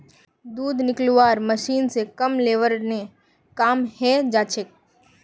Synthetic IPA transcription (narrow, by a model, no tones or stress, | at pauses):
d̪uːd̪ʱnɪkluʋaːɾməʃiːnsekɐmleːʋəɾne | kaːmhɛd͡ʒaːt͡ʃʰek̚